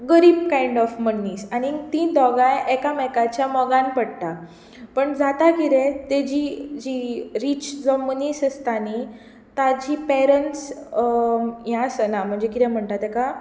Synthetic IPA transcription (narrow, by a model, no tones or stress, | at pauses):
ɡəɾiːb̚kaiɳɖɔfmənːisanit̪ĩnd̪ʱɔɡãjɛkamɛkat͡ɕjamɔɡãnpəɽt̪a | pəɳd͡zat̪akiɾẽt̪ed͡ʑid͡ʑiɾiːt͡ɕd͡zɔmənisəst̪ani | t̪ad͡ʑipɛɾənʈs | ɦjãsənam̤əɳd͡zekit̪ɛ̃m̤əɳʈ̪at̪ɛka